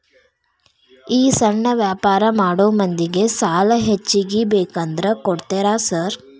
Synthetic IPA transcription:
iːsɐɳːɐʋjaːpaːɾɐmaːɽoːmɐnd̪iɡe̞saːlɐɦet͡ʃːiɡibeːkɐnd̪ɾɐkɔɽt̪eɾaːsɐɾ

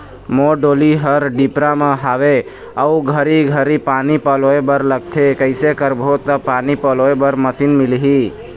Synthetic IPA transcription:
moɖoliɦəɾɖipɾamə̃ɦaʋe | əuɡʱəɾiɡʱəɾipanipəloebəɾləɡ̚t̪ʰekəɪsekəɾbʱot̪əpaːnipəloebəɾməsinmɪlɦi

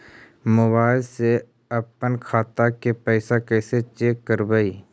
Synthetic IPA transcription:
mʊbaːɪlse | əpənkʰaːt̪akepɛːɪsakɛːset͡ʃeːkːəɾbəiː

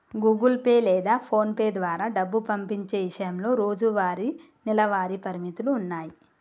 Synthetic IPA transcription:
ɡuːɡɐlpeːlɛːd̪aːpʰo̞ːnpeːd̪ʋaːɾaːɖɐbːupɐmpiɲt͡ʃe̞ːʋiʂɐjɐmlo̞ːɾo̞ːd͡ʒuʋaːɾi | nilɐʋaːɾipɐɾimit̪uluːnːaːji

